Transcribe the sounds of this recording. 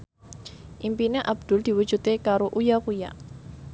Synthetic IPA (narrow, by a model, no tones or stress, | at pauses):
ʔimpineʔab̚d̪̥ʊ̤ld̪̥i̤wud̥ʒ̥ṳt̪ekaɾoʔujakuja̰ʔ